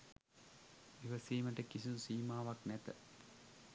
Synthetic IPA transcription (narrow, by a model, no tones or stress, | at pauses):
ʋiʋəsiːməʈəkisinusiːmaːʋaknæt̪ə̰